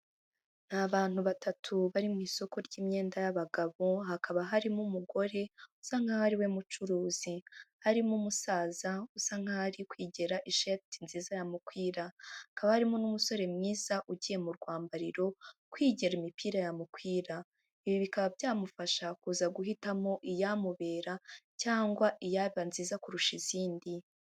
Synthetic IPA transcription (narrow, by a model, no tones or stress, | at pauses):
n̥haβaːn̥huβatatʰuβaɾimŋiːso̞ko̞ɾɟiːmɲe̞ːndajaβaɡaβo̞ɦakʰaβaɦaɾimumuɡo̞ɾe̞usaŋhahaɾiwe̞mut͡ʃuɾuːz̥ihaɾimumusaːzausaŋ̥haaɾikwiːɟeɾaʔiʃetinziːzajamukwiːɾaakaβahaɾimonumuso̞ɾe̞mŋiːz̥aʔuɟiːje̞muɾɡwaːmbaɾiɾo̞kwiːɟeɾimipiːɾajamukwiːɾa | iβiβikaβabɟaːmufaʃakuːzaɡuɦitamo̞ʔijamuβe̞ːɾacaːŋɡwaʔijaβanziːzakuɾuʃiz̥iːndi